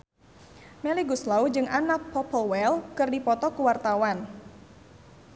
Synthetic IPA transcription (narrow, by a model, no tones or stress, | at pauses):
mɛliɡuslaud͡ʒɨŋʔanapʰɔpəlwɛlkɨrdipɔt̪ɔkuwart̪awan